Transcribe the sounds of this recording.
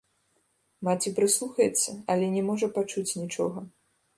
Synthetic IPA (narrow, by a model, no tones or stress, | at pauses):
mat͡sʲipɾɨslˠuxɐjɛt̪sːɐɐlʲɛnʲɛmɔʐɐpat͡ʂut͡sʲnʲit͡ʂɔɣɐ